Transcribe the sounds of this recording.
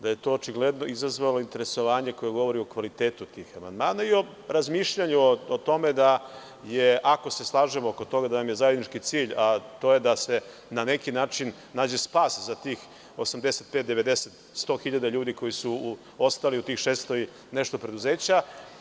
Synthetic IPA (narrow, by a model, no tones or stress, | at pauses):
d̪aje̞t̪o̞ːt͡ʃiɡled̪no̞izazʋalo̞int̪e̞ɾeso̞ʋaːɲe̞ko̞jeɡo̞ʋo̞ɾiokʋalit̪eːt̪ut̪ixama̰nd̪maːnaio̞ | ɾazmiːʃʎaɲuoot̪o̞me̞d̪a | jeʔako̞se̞slˠaːʒemooko̞t̪o̞ɡad̪anamje̞zaje̞d̪nit͡ʃkit̪siːʎat̪o̞je̞d̪ase̞ | nane̞kinaːt͡ʃinːaːd͡ʑe̞spaːszat̪iːx | o̞samd̪eset̪̚pet̪d̪e̞ʋe̞d̪eset̪ | st̪o̞xiʎad̪aʎuːd̪iko̞jisu | ost̪aliut̪iːxʃeːst̪oj | neʃt̪o̞pɾe̞d̪uzeːt͡ɕa